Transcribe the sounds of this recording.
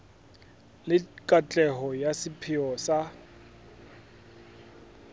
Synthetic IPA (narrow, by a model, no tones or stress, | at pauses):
lɪkʼat͡ɬʼɛɦɔjasɪpʰɪɔsa